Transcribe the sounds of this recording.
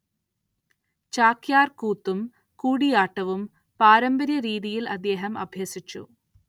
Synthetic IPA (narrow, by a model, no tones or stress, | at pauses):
t͡ɕaːkjaːrkuːt̪ːum | kuːɽijaːʈːɐʋum | paːɾɐmbɐɾjɐɾiːðijilɐd̪ːeːɦɐmɐ̰bʱjɐsit͡ɕːṵ